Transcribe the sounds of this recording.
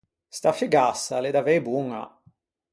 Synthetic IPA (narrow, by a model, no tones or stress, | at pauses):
st̪afiɡasːaled̪avɛjbuŋa̰